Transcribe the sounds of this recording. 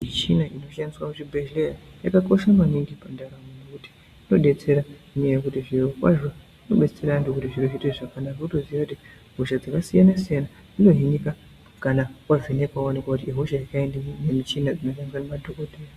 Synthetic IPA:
it͡ʃinaʔino̞ʃaniswamut͡ʃibʱelejajakako̞ʃamaniŋɡipandaɾamonokuti̥ | no̞ɗe̞t͡se̞ɾaniejekutiʐirokwa̰ʐo | ino̞ɓe̞t͡seɾandokutiʐiroʐiteʐakanarokutoziʋakuti | ɦoʃad͡zakasijanasijana | d͡zino̞ɦinika | kanakwavenekwaone̞kwakutiiɦoʃajakaendinemit͡ʃinad͡zinoʃaniswanemadʱoko̞tʰeja

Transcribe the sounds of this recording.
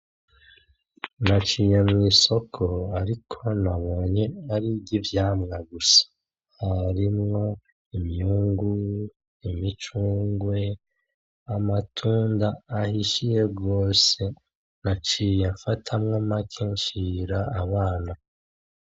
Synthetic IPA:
nat͡ʃijemŋiːso̞kʰo̞aɾikʰo̞naβo̞ːɲe̞aɾiɟivjaːmŋaɡusḁ | haɾimŋo̞ | imuːŋɡu | imit͡ʃuːŋɡwe̞ | amatʰuːndaːhiʃije̞ɡo̞ːse̞ | nat͡ʃijaɱfatʰamŋamakʰeɲʃiɾaaβaːna

